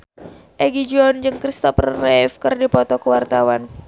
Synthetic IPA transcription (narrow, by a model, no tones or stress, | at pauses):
ʔɛɡid͡ʒɔnd͡ʒɨŋkɾist̪ɔprrɛfkɨrdipɔt̪ɔkəwart̪awan